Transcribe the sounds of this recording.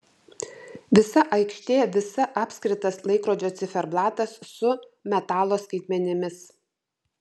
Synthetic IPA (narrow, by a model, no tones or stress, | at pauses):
ʋʲɪsɐʔɐɪkʃʲt̪ʲeːʋʲɪsɐʔɑːpʲsʲkɾʲɪt̪ɐslˠɐɪkɾoːd͡ʒʲoːt̪sʲɪfʲɛɾblˠɑːt̪ɐsːʊmʲɛt̪ɑːlˠoːskɐɪt̪ʲmʲɛnʲɪmʲɪs